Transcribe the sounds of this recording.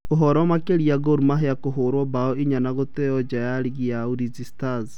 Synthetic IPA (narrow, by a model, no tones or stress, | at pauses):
oɦɔɾɔmakeɾiaɣoɾumaɦeakoɦoɾwɔbaɔiɲanaɣotejɔd͡ʒajaɾiɣiauɾizistaz